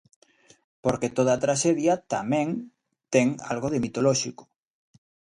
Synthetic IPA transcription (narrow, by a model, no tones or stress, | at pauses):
poɾket̪oð̞aːt̪ɾaʃeðjat̪a̰mɛ̃ŋ | t̪ɛŋa̰lɣoðemit̪oloʃiko̥